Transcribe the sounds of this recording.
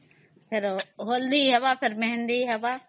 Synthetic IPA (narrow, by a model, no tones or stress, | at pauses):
pʰɪɾɦoːld̪iɦɛʋaːpʰɪɾmɛɦɛ̃nd̪iɦɛʋaː